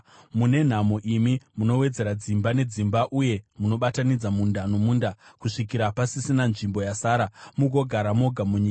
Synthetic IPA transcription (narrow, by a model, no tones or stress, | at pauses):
mune̞n̤amoʔimimuno̞we̞d͡ze̞ɾad͡zimbane̞d͡zimbaʔuje̞muno̞ɓatanid͡zamundanomuːndakuʂikiɾapasisinanʐimbo̞jasaːɾamuɡʱo̞ɡʱaɾamo̞ɡʱamuɲiːka